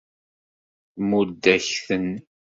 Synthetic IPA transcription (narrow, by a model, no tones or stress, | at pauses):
mud̪ːæçθən